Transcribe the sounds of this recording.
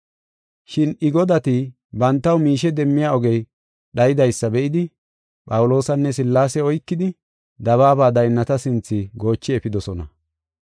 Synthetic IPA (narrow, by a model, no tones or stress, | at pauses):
ʃɪnɪɡɔd̪ɐt̪ɪ | bɐnt̪ːɐwmiːʃɛd̪ɛmːɪjaːɔɡɛj | ɗɐjɪd̪ɐjsːɐbɛʔɪd̪ɪ | pʼɐwʊlo̞ːsɐnːɛsɪlːaːsɛɔjkːɪd̪ɪ | d̪ɐβaːbaːd̪ɐjnːɐt̪ɐsɪnt͡sːɪɡo̞ːt͡ʃːɪɛfɪd̪ɔsɔnɐ̰